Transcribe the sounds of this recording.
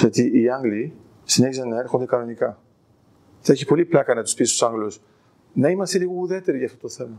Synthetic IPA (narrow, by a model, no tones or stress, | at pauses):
ot̪iːɐŋɡli | sine̞çisɐnnːɐe̞ɾxond̪e̞kɐno̞nikɐ | θɐeçipo̞liplɐkɐnɐt̪u̥spisst̪o̥sɐŋɡlos | nɐimɐst̪eliɣo̞uðet̪e̞ɾiʝɐːft̪o̞t̪oθe̞mɐ